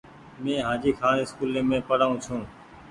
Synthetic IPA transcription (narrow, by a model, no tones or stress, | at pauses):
mẽːɦãːd͡ʒiːkʰaːnːɪskuːlẽːmẽːpəɽaːũːt͡ʃʰũː